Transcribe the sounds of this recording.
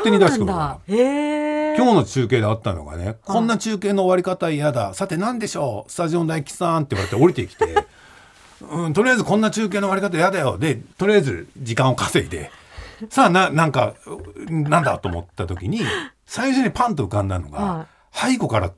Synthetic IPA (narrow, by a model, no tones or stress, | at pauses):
t̪ːeɲ̟id̪askɯna | kʲo̞ːno̞t͡ɕɨːke̞ːd̪eat̪ːano̰ɡa̰ne̞̰kʰõ̞nːat͡ɕɨːke̞ːno̞ːβaɾʲikat̪aijad̪a̰sat̪e̞nãnd̪e̞ɕo̞ːsɨ̥t̪aʑio̞nd̪aikʲi̥sãnt̪e̞iβaɾet̪eoɾʲit̪e̞ikʲi̥t̪e̞̰ | ɯ̃t̪o̞ɾʲijaizɨkõnːat͡ɕɨːk̬e̞ːnoβaɾikat̪ajad̪ajo̞d̪e̞t̪o̞ɾʲijaizɨ̰d͡ʑikãɰ̃o̞kase̞it̪e̞̰saːnãnãŋka̰ | nãnd̪a̰t̪o̞̰mo̞̰t̪ːat̪o̞kʲiɲ̟i | saiɕoɕo̞ɲ̟ipãnt̪oɯ̟kãnd̪aɯno̞̰ɡa | haiko̞kaɾa̰